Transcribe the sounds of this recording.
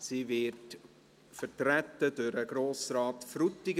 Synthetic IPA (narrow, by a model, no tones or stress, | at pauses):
siːvɪt | fərtɾætːədʊːɾəɡɾoːsɾaːtfɾutːɪɡ